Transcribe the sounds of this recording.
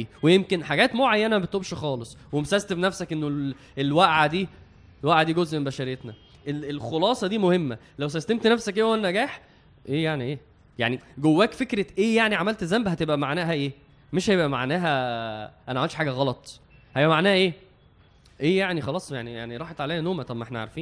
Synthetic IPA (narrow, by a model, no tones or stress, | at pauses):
wejemkenħaɡæːt̪moʕajːænæmæbet̪ʔobʃxɑːlesˤwemsæzt̪efnæfsækʔenːo | ʔelwæʔʕad̪iː | lwæʔʕad̪iːɡozʔmembæʃæɾejet̪næʔelelxolɑːsˤɑd̪iːmohemːæ | læwsæst̪emt̪næfsækʔeːʔwænːæɡæːħ | ʔeːjaʕniʔeː | ja̰ʕniɡowːæːkfekɾeʔeːjaʕniʕamælt̪zæmbhæt̪ebʔæmaʕnæːɦæʔeː | meʃhæjebʔæma̰ʕnæːɦæʔænæʕawæltʃħaːɡæɣɑlɑt̪ˤ | hæeʔæmaʕnæːhæʔeː | ʔeːjaʕnixɑlɑːsˤjaʕnija̰ʕniɾˤɑːħet̪ʕalæːjænoːmæt̪ˤɑmːæʔeħnæʕa̰ɾˤfiːn